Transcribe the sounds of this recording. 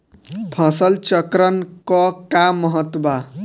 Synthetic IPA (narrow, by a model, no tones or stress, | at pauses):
pʰʌ̃sʌlt͡sʌkɾʌnkʌkamʌɦʌt̪ba